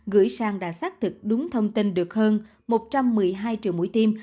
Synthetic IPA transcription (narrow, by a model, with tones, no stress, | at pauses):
ɣɨ̰˧˥əjsaː˧ŋɗa̰ː˧˥saː˦˥k̚t̪ʰɨ˨˩k̚ɗʊ˨˦ŋ͡mt̪ʰə˧wŋ͡mt̪i˧nɗɨ˨˩ək̚həː˧n | mo˨˩t̚t͡ɕa˧mːɨ˨˩əjɦaː˧jt͡ɕḭ˨əwmṵ˧˥jt̪i˧m